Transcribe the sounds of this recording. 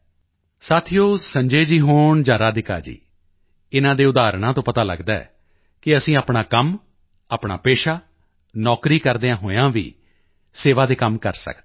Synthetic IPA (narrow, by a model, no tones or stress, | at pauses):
saːt̪ʰijoːsəɲd͡ʒeːd͡ʒiːɦoːɳd͡ʒãːɾaːd̪ɪka̰ːd͡ʒḭː | ɪnãːd̪eːʊd̪aːɾɳãːt̪õːpət̪aːlə̰ɡd̪aːɛ̰ː | kɪəsĩːaːpɳaːkəm | aːpɳa̰ːpeːʃaː | nɔːkɾiːkəɾd̪eːãːɦoːeãːʋḭː | seːʋaːd̪eːkəmkə̰ɾsə̰kd̪e